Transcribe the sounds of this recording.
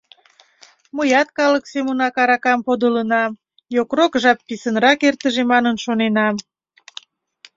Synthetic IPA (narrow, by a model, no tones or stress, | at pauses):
məjɑt̪̚kɑləksemunɑkɑɾɑkɑmpod̪ələnɑm | jokrokʒɑpːisənrɑkert̪əʒemɑnənʃonenɑm